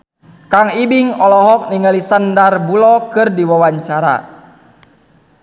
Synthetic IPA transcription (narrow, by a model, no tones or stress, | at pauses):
kaŋibiŋɔlɔɦɔk̚niŋɡalisandarbulɔkɨrdiwawaɲt͡ʃaɾa̰